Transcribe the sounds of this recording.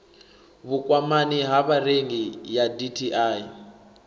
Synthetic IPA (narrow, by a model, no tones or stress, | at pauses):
βukʼwamaniɦaβareŋɡijaditʰiʔaːi